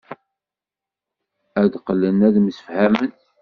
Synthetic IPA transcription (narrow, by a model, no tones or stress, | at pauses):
æd̪qəlːənæðməsə̥fhæmən